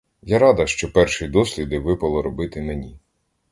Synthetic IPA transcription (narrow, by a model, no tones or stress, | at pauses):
jaɾɑd̪ɐʃt͡ʃɔpɛrʃijd̪ɔsʲlʲid̪ɪʋɪpɐlˠɔɾɔbɪt̪ɪmenʲi